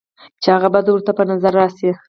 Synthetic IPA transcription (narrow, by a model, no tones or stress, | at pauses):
t͡ʃeaɣabɑd̪wəɾt̪apənazaɾːɑsi